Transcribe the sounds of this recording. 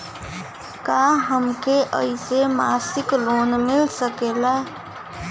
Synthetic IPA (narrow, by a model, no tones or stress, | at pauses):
kaːɦəmkeʔə̰isemaːsɪkloːnmɪlsəkeːla